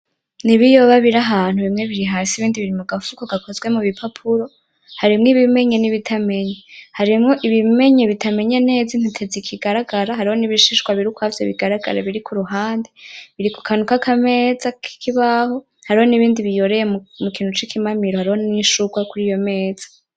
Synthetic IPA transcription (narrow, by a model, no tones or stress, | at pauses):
niβijo̞βaβiɾaɦaːn̥huβimŋe̞βiɾiɦaːsiβiːndiβiɾimuɡafukoɡako̞zɡwe̞muβipʰapʰuɾo̞ | haɾimŋiβime̞ɲe̞niβitʰame̞ɲehaɾimŋo̞ʔiβime̞ɲeβitʰame̞ɲene̞ːzan̥itʰezikʰiɡaɾaɡaɾaɦaɾiho̞niβiʃiʃkwaβiɾukuhavjeβiɡaɾaɡa̰ɾa̰βiɾikʰuɾuɦaːndeβiɾiku̥kʰanukakʰame̞ːzakʰi̥kʰiβaho̞ | haɾiho̞niβiːndiβijo̞ɾejemmukiːn̥hut͡ʃikʰimamiɾohaɾiho̞niʃuɡwakuɾijo̞me̞ːz̥ḁ